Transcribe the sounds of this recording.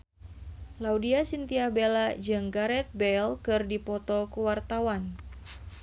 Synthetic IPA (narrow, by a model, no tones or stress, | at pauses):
laudiasint̪iahbelad͡ʒɨŋɡaɾɛt̪̚bɛlkɨrdipɔt̪ɔkuwart̪awan